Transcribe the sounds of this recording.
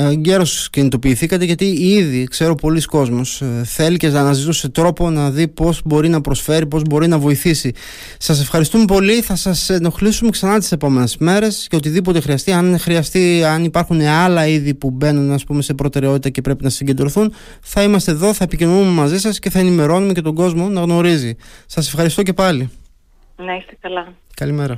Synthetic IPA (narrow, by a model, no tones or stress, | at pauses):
ɲɟe̞ɾo̞scinit̪o̞piːθikɐt̪eʝɐt̪iiðikse̞ɾo̞po̞litsko̞zmo̞sθe̞liceznɐːnɐzit̪use̞t̪ɾo̞po̞nɐðipo̞zbo̞ɾinɐpɾo̞sfe̞ɾipo̞zbo̞ɾinɐvo̞iθisi | sɐs̬e̞fxɐɾist̪umepo̞liθɐsɐseno̞xlisume̞ksɐnɐt̪i̥se̞po̞me̞ne̞zme̞ɾe̞sceo̞t̪̬iðipo̞t̪e̞xɾiɐst̪iɐnxɾiɐst̪iɐnipɐɾxuneɐlɐiðipube̞nunɐspume̞se̞pɾo̞t̪e̞ɾeo̞t̪it̪ɐce̞pɾe̞pinɐsiɲɟe̞nd̪ɾoθun | θɐimɐst̪eðo̞θɐepicino̞nume̞mɐzisɐsce̞θɐe̞nime̞ɾo̞nume̞ce̞t̪o̞ɡo̞zmo̞nɐɣno̞ɾizisɐse̞fxɐɾist̪oce̞pɐli | nɐist̪ekɐlɐkɐlimeɾɐ